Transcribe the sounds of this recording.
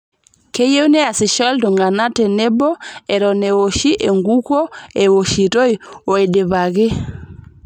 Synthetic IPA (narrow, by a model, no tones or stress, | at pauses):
kɛjewnɛasiʃɔltɔŋɡanatɛnɛbɔɛɾɔnɛwoʃiʔɛŋɡukɔɛwoʃitojɔɛɗɛβaɡɛ